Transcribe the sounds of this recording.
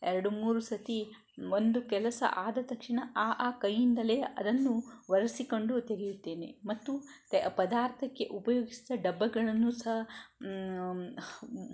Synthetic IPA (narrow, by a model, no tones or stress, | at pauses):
ɛɾɐɽumuːɾusɐt̪i | ond̪ukɛlɐsɐ̰ʔaːd̪ɐt̪ɐkʂiɳɐʔaːʔaːkɐjːind̪ɐleːɐd̪ɐnːuʋɐɾɐsiko̞ɳɖut̪eɾijut̪ːe̞ːne̞̰mɐt̪ːut̪pɐd̪aːɾt̪ʰɐkːe̞̰ʔupɐjoːɡisid̪ɐɖɐbːɐɡɐɭɐnːusɐɦɐ